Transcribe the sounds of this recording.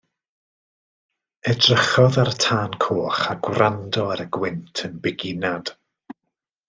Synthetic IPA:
ɛdrəχɔðaɾətʰaːnkʰoːχaɡwrandɔaɾəɡwɪntʰənbɪɡɪnad̥

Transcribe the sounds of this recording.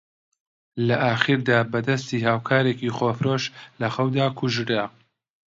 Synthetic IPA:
lɐʔaːxiɾd̪aːbɐd̪ɐst̪iːɦaːwkʰaːɾeːkiχoːfɾoʃlɐxɐwd̪aːkʰuʒɾɐ

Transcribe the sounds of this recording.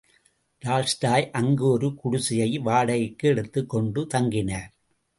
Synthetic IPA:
laːsʈaːjʔɐŋɡɯɔɾɯkʊɽʊsɪjɐɪʋaːɽɐjɪkːɯɛɽɯt̪ːɯkːɔɳɖɯt̪ɐŋɡɪnaːɾ

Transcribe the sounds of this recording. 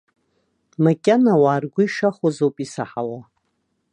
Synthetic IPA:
makʲʼanawaːrɡʷʊiʂaχʷozowpʼisaħawa

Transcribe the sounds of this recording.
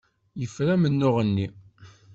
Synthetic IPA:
jəfɾæmənːʊʁənːi

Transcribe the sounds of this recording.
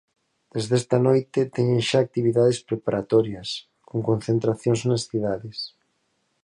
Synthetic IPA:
d̪̥ezðest̪ɐnojt̪et̪ɛɲeŋʃaːk̚t̪iβ̞iðaðespɾepaɾat̪ɔɾjɐs | koŋkon̟θent̪ɾaθjoŋznasθiðaðɪs

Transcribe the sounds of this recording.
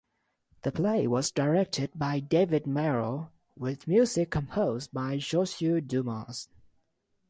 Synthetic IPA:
ð̥əpʰl̥eɪwɔzdəɹɛk̚tʰɪd̚baɪdeɪvɪd̚mɛɹo | wɪðmjʉzɪkʰːə̃mpʰoʊz̚baɪd͡ʒɔsjuduməs

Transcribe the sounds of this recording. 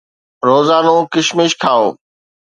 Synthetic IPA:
ɾoːzaːnõːkɪʃmɪːʃkʰaːoː

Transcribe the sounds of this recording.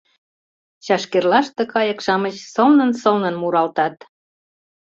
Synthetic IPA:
t͡ɕɑʃkerlɑʃt̪ɤ̆kɑjə̆kʃɑmət͡ɕsɤlnə̆nsɤlnə̆nmuɾɑlt̪ɑt̪

